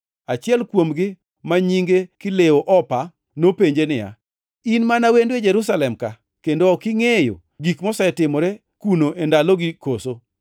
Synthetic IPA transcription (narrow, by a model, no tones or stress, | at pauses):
at͡ʃɪɛlkwomɡɪ | maɲiŋɡekɪlewoʔɔpa | nopeɲd͡ʒenɪja̰ | inmanawended͡ʒeɾus̬alɛmka | kendoɔkɪŋejo̰ | ɡikmɔsɛtɪmɔɾe | kunoʔendaloɡɪkoso